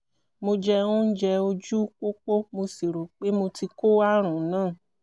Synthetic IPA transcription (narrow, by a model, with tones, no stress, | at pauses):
mo˧d͡ʒɛ˧ũ˦n̩˦d͡ʒɛ˧o˧d͡ʒu˦k͡po˦k͡po˦mo˧si˨ɾo˨k͡pe˦mo˧ti˧ko˦wa˦ɾ̃ũ˨˦nãː˦˨